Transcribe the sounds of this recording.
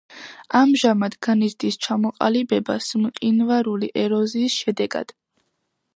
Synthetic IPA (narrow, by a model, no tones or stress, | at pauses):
amʒamad̪ɡanizd̪ist͡ʃʰamɔqʼa̰libɛbasmqʼinvaɾuliʔɛɾɔziːsʃɛd̪ɛɡa̰d̪̥